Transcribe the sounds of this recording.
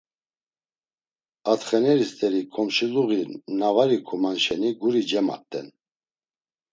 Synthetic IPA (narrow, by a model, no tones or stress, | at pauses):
at̪χɛnɛɾist̪ʼɛɾikʰʼɔmʃiluɣinavaɾikʰumanʃɛniɡuɾid͡ʒɛma̰t̪ʼːɛ̰n